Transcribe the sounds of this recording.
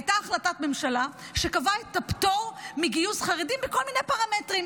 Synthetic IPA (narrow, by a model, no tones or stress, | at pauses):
jtaːχlatatmemʃalaʃekavaet̪ːaptoʁmiɡijusχaʁedimbeko̞lminejpaʁametʁim